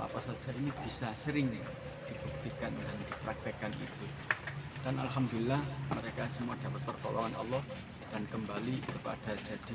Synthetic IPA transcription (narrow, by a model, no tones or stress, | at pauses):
la̰pasḁd͡ʒ̥ainib̥isasəɾɪŋ | d̪̥ib̥uk̚t̪ikandand̪̥ipɾak̚t̪ikanʔḭt̪u | d̪̥ana̰lɦamd̪ulilːahməɾekasəmuad̥a̤pət̪̚pərkolɔ̰ŋanʔɔ̰lːɔh | d̥ankəmbalikəpa̰ɖ̥a̤̥d͡ʒ̥a̤d̪̥i̤